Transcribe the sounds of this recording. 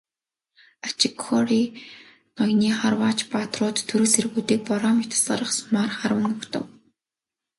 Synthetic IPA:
at͡ɕɪkʰːɔriː | nɔjʲniːχarwaːt͡ɕpat̪rʊːt̪ʰːɵɾɵ̆serɣuːt̪iːk̚pɔɾɔːmit̪ʰsaɾə̆χsmarχaɾwə̆ŋʊkt̪ə̰̆w

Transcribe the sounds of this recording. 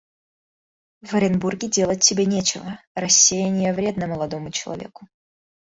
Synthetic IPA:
vəɾʲɪnburɡʲɪdʲe̞lˠət̚ʲtʲːɪbʲenʲet͡ɕɪvərɐsʲːejɪnʲɪjəvɾʲe̞d̪nəməlˠɐd̪omʊt͡ɕɪlˠɐ̰vʲe̞̰kʊ

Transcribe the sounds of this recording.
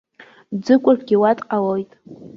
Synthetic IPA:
d͡zɨkʷʼʊrɡʲiwatʼqʼawojtʼ

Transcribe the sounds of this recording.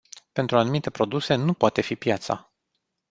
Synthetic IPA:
pe̞nt̪ɾuanumit̪e̞pɾo̞d̪use̞nupoat̪e̞fipjat̪sa̰

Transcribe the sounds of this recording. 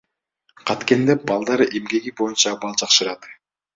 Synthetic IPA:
qʰɑt̪ke̞nd̪ebɑlˠd̪ɑɾemɡe̞ɡibo̞junt͡ʃɑbɑlˠd͡ʒɑqʃɯɾɑt̪

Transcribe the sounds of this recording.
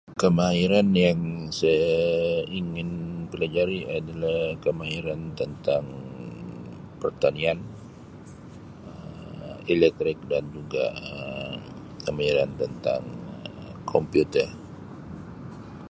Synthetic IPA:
kəmaiɾanjaŋsajaiŋɪnpəlad͡ʒaɾiʔadalahkəmaiɾant̪ənt̪aŋ | pərt̪anian | ə | elɛk̚t̪ɾɪk̚dand͡ʒuɡa̰ə | kəmaiɾant̪ənt̪a̰ŋə | kʰɔmpjut̪ər

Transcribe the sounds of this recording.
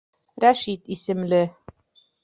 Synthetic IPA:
ɾæʃit̪isɘ̆mlɘ

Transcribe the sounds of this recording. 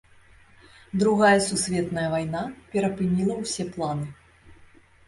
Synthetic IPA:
d̪ɾuɣajɐsusʲvʲɛt̪nɐjɐvajnapʲɛɾɐpɨnʲilˠɐwsʲɛplˠanɨ

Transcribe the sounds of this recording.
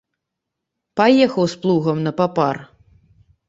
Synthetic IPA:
pajɛxɐwsplˠuɣɐmnɐpapar

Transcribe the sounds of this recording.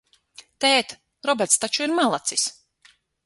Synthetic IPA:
t̪ɛːt̪ | ɾɔbɛɾt̪st̪at͡ʃuiɾmalˠat̪sis

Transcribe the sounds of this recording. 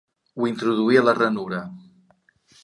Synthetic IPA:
wint̪ɾuðuiələrənuɾə

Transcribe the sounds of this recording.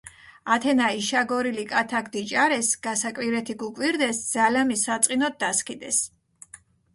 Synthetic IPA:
at̪ʰɛnaiʃaɡɔɾilikʼat̪ʰaɡd̪it͡ʃʼaɾɛsɡ̥asakʼwiɾɛt̪ʰiɡukʼwiɾd̪ɛsd̪z̥alamisat̪sʼqʼinɔt̪̚d̪askʰid̪ɛs

